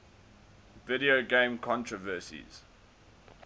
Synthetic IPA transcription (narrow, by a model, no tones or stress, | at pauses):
vɪɾioɡẽmkʰɔ̃ntɹɔvɜsḭz̥